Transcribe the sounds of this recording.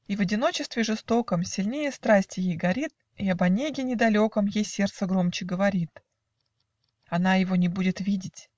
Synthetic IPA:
ivɐdʲɪno̞t͡ɕɪst̪vʲɪʐɨst̪o̞kəmsʲɪlʲnʲejəst̪ɾasʲtʲɪjejɡɐɾʲit̪̚ | iɐbɐnʲeɡʲɪnʲɪd̪ɐlʲokəmjejsʲe̞rt̪səɡɾo̞mt͡ɕɪɡəvɐɾʲit̪ | ɐnajɪvo̞nʲɪbudʲɪt̪vʲidʲɪtʲ

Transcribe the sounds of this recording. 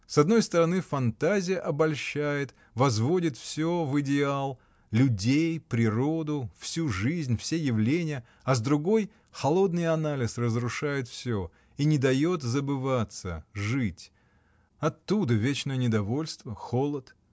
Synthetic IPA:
sɐd̪̚no̞jst̪əɾɐnɨfɐnt̪azʲɪjəʔɐbɐlʲɕæjɪt̪ | vɐzvo̞dʲɪt̪fsʲovɨdʲɪalˠ | lʲʊdʲejpɾʲɪɾo̞d̪ʊfsʲuʐɨzʲnʲfsʲejɪvlʲenʲɪjə | ɐzd̪ɾʊɡo̞j | xɐlˠo̞d̪nɨjɐnalʲɪsrəzɾʊʂajɪt̪fsʲo | inʲɪd̪ɐjo̞t̪zəbɨvat̪sə̰ʐɨtʲ | ɐt̪ːud̪əvʲet͡ɕnəjənʲɪd̪ɐvo̞lʲst̪vəxolˠət̪

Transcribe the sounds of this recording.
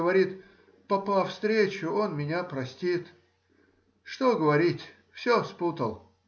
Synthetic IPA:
əvɐɾʲit̪ | pɐpafst̪ɾʲet͡ɕʊonmʲɪnʲapɾɐsʲtʲit̪ | ʂt̪oɡəvɐɾʲitʲ | fsʲosput̪əlˠ

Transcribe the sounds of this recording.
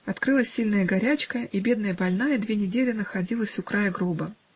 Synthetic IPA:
ɐt̪kɾɨlˠəsʲːilʲnəjəɡɐɾʲæt͡ɕkəʔibʲe̞d̪nəjəbɐlʲnajəd̪vʲenʲɪdʲelʲɪnəxɐdʲilˠəsʲʊkɾajəɡɾobə

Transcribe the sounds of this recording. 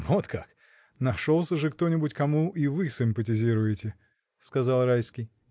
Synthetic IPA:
vo̞t̪kʰak | nɐʂolˠsʲəʐɨkt̪o̞nʲɪbʊtʲkɐmuʔivɨsʲɪmpətʲɪzʲiɾʊjɪtʲɪ | skɐzɑlˠrajskʲɪj

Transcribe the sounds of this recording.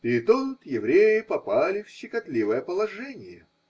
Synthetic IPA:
ɪɪt̪ot̪jɪvɾʲejɪpɐpalʲɪfɕɪkɐt̪lʲivəjəpəlˠɐʐɛnʲɪjə

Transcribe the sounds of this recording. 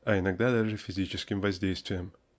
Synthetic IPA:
ajnɐɡ̚d̪ad̪ɐɾʐɨfʲɪzʲit͡ʃɪskʲɪmvɐzʲd̪ʲejst̪vʲɪjəm

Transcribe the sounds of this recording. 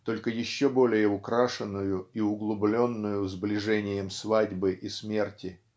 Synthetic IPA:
t̪o̞lʲkəjɪɕːobo̞lʲɪjəʊkɾaʂɨnːʊjʊiʊɡlˠʊblʲo̞nːʊjʊzblʲɪʐɛnʲɪjəmsvadʲbɨʔɪsmʲe̞rtʲɪ

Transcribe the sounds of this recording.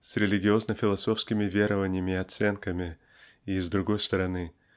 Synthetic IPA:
sɾʲɪlʲɪɡʲɪo̞znəfʲɪlˠɐso̞fskʲɪmʲɪvʲeɾəvənʲɪjəmʲɪɪɐt̪sɛnkəmʲɪ | izd̪ɾʊɡo̞jst̪əɾɐnɨ

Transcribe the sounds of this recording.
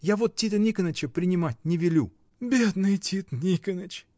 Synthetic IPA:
javot̪̚tʲːit̪ənʲikənət͡ɕəpɾʲɪnʲɪmatʲnʲɪvʲɪlʲṵ | bʲed̪nɨjtʲit̪nʲikənət͡ɕ

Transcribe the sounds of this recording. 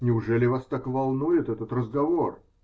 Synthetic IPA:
nʲɪʊʐɛlʲɪvast̪akvɐlˠnujɪt̪ɛt̪ət̪rəzɡɐvor

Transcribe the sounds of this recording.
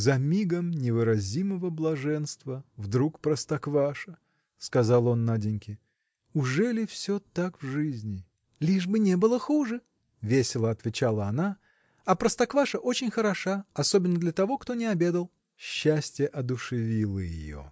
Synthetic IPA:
zɐmʲiɡəmnʲɪvɨɾɐzʲiməvəblˠɐʐɛnst̪vəvd̪ɾukpɾəst̪ɐkvaʂə | skɐzalˠo̞nːadʲɪnʲkʲɪ | ʊʐɛlʲɪfsʲot̪akvʐɨzʲnʲɪ | lʲiʐbɨnʲebɨlˠəxuʐɨ | vʲesʲɪlˠəɐt̪vʲɪt͡ɕalˠəɐna | ɐpɾəst̪ɐkvaʂəʔo̞t͡ɕɪnʲxəɾɐʂaɐso̞bʲɪnːəd̪lʲɐt̪ɐvo̞kt̪onʲɪɐbʲe̞d̪əlˠ | ɕːæsʲtʲjəʔɐd̪ʊʂɨvʲilˠəjɪ̰jo̞̰

